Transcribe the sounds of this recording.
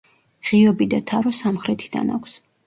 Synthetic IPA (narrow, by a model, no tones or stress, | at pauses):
ʁiɔbid̪at̪ʰaɾɔsamχɾɛt̪ʰi̥d̪a̰na̰kʷʰs